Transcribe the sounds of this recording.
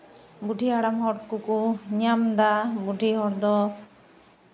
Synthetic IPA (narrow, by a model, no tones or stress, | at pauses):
buɖʱiaɽamɦɔɽkukuɲamd̪abuʈiɦɔɾd̪ɔ